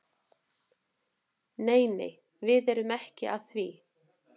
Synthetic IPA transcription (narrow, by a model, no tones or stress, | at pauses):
neːjnḛj | vɪðɛɾʏmɛhcɪ̰ʔaðθvi